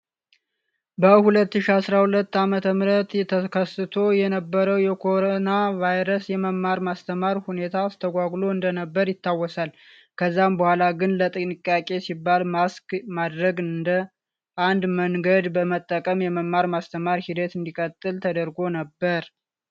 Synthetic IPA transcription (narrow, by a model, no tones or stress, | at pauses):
bəhulət̪ːɨʃiasɾahulət̪ːamət̪ʰəmɾət̪ɛt̪ʰəkʰəsɨt̪ʰo̞jɛnəbːəɾəwjɛkʰo̞ɾonavajɾəsjɛməmːaɾmast̪ʰəmaɾhune̞t̪ʰast̪ʰəɡʷaɡlo̞ɨnd̪ənəbːəɾjɪt̪ʰːawːɔsal | kʰəzːambəhʷalaɡɨnlət̪ʼɨnɨkʼːakʼe̞sibːalmaskmad̪ɾəɡɨɨnd̪ə | ʔand̪məŋɡəd̪bəmət̪ʼːəkʼəmjɛməmːaɾmast̪ʰəmaɾhid̪ət̪ɨnd̪ikʼət̪ʼːɨlt̪ʰəd̪əɾɡo̞nəbːəɾ